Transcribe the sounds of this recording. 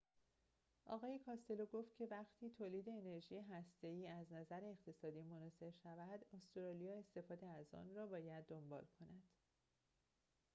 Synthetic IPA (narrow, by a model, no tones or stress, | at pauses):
ʔɒːɣɒːje̞kʰɒːst̪e̞loɡoːft̪̚cʰe̞væɡt̪ʰiːt̪ʰoːliːd̪e̞ːne̞ɾʒiːjeɦæst̪e̞iːæznæzæɾeːxt̪ʰe̞sɒːd̪iːmonɒːse̞ɾʃævæd̪ost̪ɾɒːlijɒːe̞st̪e̞fɒːd̪eæzɒ̰ːnrɒːbɒːjæd̪ːo̞mbɒ̰ːlkʰo̞næd̪̥